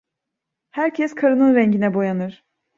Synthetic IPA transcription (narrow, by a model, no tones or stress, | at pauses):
hæɾcʰɛskʰaɾɯnɯnɾɛɲɟinɛbo̞janɯɾ̥